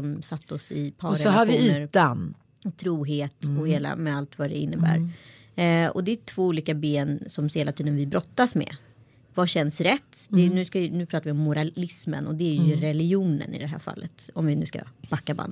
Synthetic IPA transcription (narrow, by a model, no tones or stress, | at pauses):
sɔmsat̪ːɔsɪpʰɑːɾsɛɔhaɾvɪiːəɾt̪an | t̪ʰɾuːɦeːt̪ɔheːla̰mɛalt̪vad̪ɛɪnːəbæ̰ːɾ | ɔ̰d̪ɛt̪ʰv̥oːuːliːkabeːnsɔmheːlat̪ʰiːd̪ənvɪbɾɔt̪ːasmɛ̰ | vaɕɛnsɾɛt̪ːd̪ɛnʉ̟ːskanʉ̟ːpʰɾɑːt̪aɾvɪɔmːʊɾaɪsmə̰nɔd̪ɛːɾjjɵɾɛlɪɡjuːnə̰nɪ̰d̪ɛɦæ̰ːɾfa̰lːət̪ɔmvɪnʉ̟ːska̰b̥akːaba̰nd̪